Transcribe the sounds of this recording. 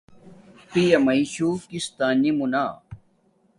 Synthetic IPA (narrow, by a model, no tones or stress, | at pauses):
pijɐmɐiɕuːkist̪aːnimunaː